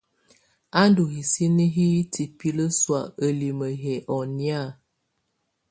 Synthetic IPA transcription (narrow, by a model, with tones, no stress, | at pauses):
a˦ndu˨hi˨si˦ni˦ɦi˦ti˨pi˦lə˦swa̰˨ə˨li˨mə˨ɦɛ˨ʔɔ˨nja˦˨